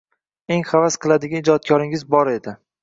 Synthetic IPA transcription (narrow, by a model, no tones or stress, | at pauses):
e̞ŋχavasqʰɨlˠad̪ɪɡʲaɪd͡ʒɒt̪̚kʰɒɾɪŋɪzbɒɾe̞d̪ɪ